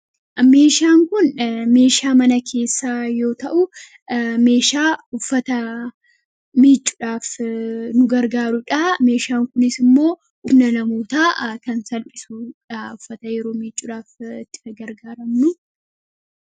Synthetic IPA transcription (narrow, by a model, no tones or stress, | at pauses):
me̞ːʃaːŋkʊnme̞ːʃaːmɐnɐkʰe̞ːsːaːjo̞ːt̪ɐʔʊ | me̞ːʃaːʊfːɐt̪ɐ | miːt͡ʃʼːʊᶑaːfnʊɡɐɾɡaːɾʊᶑɐme̞ːʃaːŋkʊnɪsɪmːo̞ː | ʔʊmnɐnɐmoːt̪aːkɐnsɐlpʼɪsuᶑʊfːɐt̪ɐjɛɾo̞ːmiːt͡ʃʼːʊᶑaːfɪt̪ːɪ̥ɡɐɡɐɾɡaːɾɐmnʊ